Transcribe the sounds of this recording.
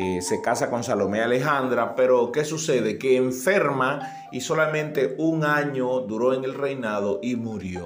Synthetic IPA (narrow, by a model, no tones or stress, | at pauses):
se̞kasako̞ŋsalo̞meale̞ɦand̪ɾape̞ɾo̞ke̞suse̞ðe̞keːɱfe̞ɾma | iso̞lamẽ̞nt̪e̞uŋãɲo̞d̪uɾo̞e̞ŋe̞lre̞jnaðo̞ʔimuɾjo̞